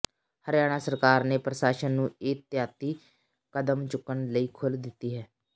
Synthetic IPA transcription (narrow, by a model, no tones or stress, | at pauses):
həɾjaːɽ̃aːsəɾkaːɾneːpɾəʃaːʃənːũːɪːt̪jaːt̪iː | kəd̪əmt͡ʃʊkːəɳləiːkʰʊld̪ɪt̪ːiːɦɛː